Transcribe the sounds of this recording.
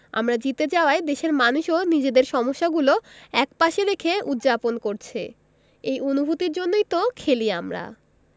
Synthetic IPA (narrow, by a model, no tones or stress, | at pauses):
a̰mɾad͡ʑit̪ed͡ʑaoaed̪eʃeɾmanuʃonid͡ʑed̪eɾʃɔmoʃːaɡuloɛkpaʃeɾekʰeut̪ːd͡ʑaponkoɾt͡ɕʰe | ejonubʱut̪iɾd͡ʑonːojt̪okʰeliamɾa̰